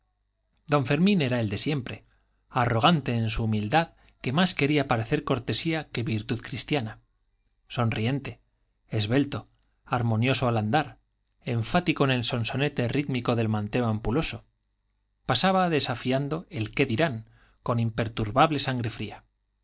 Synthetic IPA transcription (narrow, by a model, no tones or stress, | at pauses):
d̪o̞ɱfe̞ɾmĩne̞ɾae̞ld̪e̞sje̞mpɾe̞ | aro̞ɣ̞ant̪e̞ːns̬uːmild̪að | ke̞maske̞ɾiapaɾe̞θe̞ɾko̞ɾt̪e̞siake̞βiɾt̪uðkɾist̪jana | so̞nrie̞nt̪e̞ː | zβe̞lt̪o̞ | aɾmõ̞njo̞so̞aland̪aɾ | e̞ɱfat̪ikone̞lso̞nso̞ne̞t̪e̞riðmiko̞ðe̞lmãnt̪e̞oampulo̞so̞ | pasaβaðe̞safiand̪o̞e̞lke̞ðiɾaŋ | ko̞nimpe̞ɾt̪uɾβaβle̞saŋɡɾe̞fɾia